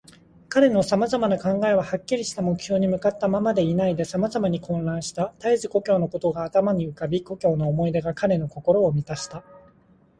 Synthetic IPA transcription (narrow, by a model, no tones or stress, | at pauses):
kaɾe̞no̞samazamanakãŋɡae̞β̞ahakʲːiɾʲiɕi̥t̪amo̞kɯ̟çʲo̞ːɲ̟imɯ̟kat̪ːamamad̪e̞inaid̪e̞samazamaɲ̟ikõ̞nɾãɰ̃ɕi̥t̪at̪aizɨko̞kʲo̞ːno̞ko̞t̪o̞ɡaːt̪amaɲ̟iɯ̟kabʲiko̞kʲo̞ːno̞ːmo̞id̪e̞ɡakaɾe̞no̞ko̞ko̞ɾo̞ːmʲit̪aɕi̥t̪a